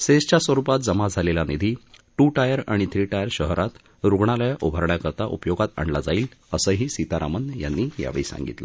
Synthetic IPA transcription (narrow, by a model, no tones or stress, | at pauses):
sest͡ɕasʋəɾupat̪̚d͡zəmad͡zʱalelanid̪ʱiʈuʈajəɾaɽ̃it̪ʰɾiːʈajəɾɕəɦɾat̪ | ɾuɡɳaljaʔubʱəɾɳjakəɾt̪aʔṵpjoɡat̪a̰ɳɖlad͡zaiːləsəːɦiːsit̪aɾamənja̰nːiːja̰ʋiːsã̰ŋɡḭt̪lə